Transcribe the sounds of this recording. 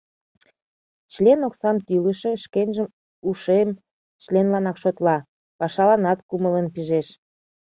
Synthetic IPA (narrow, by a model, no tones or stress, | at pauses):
t͡ɕlenoksɑmt̪yləʃeʃkenʲʒəm | uʃem | t͡ɕlenlɑnɑkʃot̪lɑ | pɑʃɑlɑnɑt̪kumələnpiʒeʃ